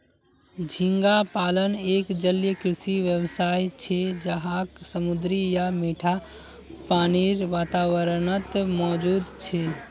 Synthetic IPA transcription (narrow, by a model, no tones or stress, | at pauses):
d͡ʒʱiŋɡapalənekd͡ʒəljəkɾisiʋjəbsajt͡ʃʰed͡ʒəɦaksəmud̪ɾijameʈʰa | paniɾʋat̪aʋəɾnət̪mɔd͡ʒud̪t͡ʃʰe